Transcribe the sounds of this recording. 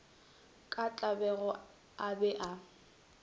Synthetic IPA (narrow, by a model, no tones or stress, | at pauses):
kʼat͡ɬʼabɛɣɔ | abɛʔa